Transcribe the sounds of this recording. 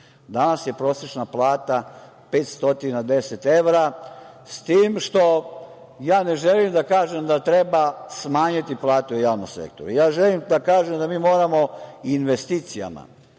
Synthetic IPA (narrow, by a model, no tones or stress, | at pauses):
d̪anasje̞pɾo̞ːset͡ʃnaplˠaːt̪a | pe̞ːt̪st̪o̞t̪inad̪e̞set̪e̞ʋɾa | st̪iːmʃt̪o̞ | jaːneʒelimd̪akaːʒemd̪at̪ɾebasmaːɲit̪iplˠaːt̪eujaːʋnomsḛkt̪oɾujaːʒelimd̪akaːʒemd̪amiːmo̞ːɾamo̞inʋest̪iːt̪sija̰ma̰